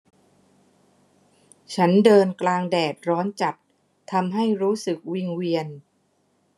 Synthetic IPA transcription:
t͡ɕʰa˦˥ndɤː˧nklaː˧ŋdɛː˨˩t̪̚ɾɔː˦˥nt͡ɕa˨˩p | t̪ʰːa˧mɦa˥˩jɾuː˦˥sɯ˨˩k̚wi˧ŋwi˧ən

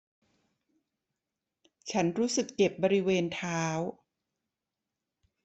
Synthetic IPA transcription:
t͡ɕʰa˦˥nɾuː˦˥sɯ˨˩kːe˨˩p̚bɔː˧ɾi˦˥weː˧nt̪ʰaː˦˥w

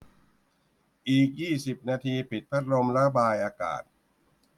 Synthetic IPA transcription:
ʔiː˨˩k̚jiː˥˩si˨˩p̚naː˧t̪ʰiː˧pʰi˨˩t̪̚pʰa˦˥t̪̚ɾo˧mla˦˥baː˧jʔaː˧ka̰ː˨˩t̪̚

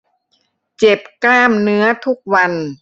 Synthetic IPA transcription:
t͡ɕe˨˩p̚klaː˥˩mnɯ˦˥ɐt̪ʰu˦˥k̚wa˧n

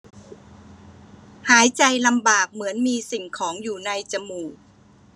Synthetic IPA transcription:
haː˩˦jt͡ɕa˧jla˧mbaː˨˩k̚mɯ˩˦ənmiː˧si˨˩ŋkʰɔː˩˦ŋjuː˨˩na˧jt͡ɕa˧muː˨˩k̚

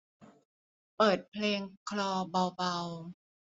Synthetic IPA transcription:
pɤː˨˩t̪̚pʰleː˧ŋkʰlɔː˧ba˧wba˧w

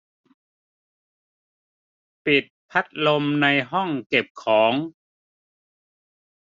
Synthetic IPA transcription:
pi˨˩t̪̚pʰa˦˥t̪̚lo˧mna˧jɦɔ˥˩ŋke˨˩p̚kʰɔː˩˦ŋ

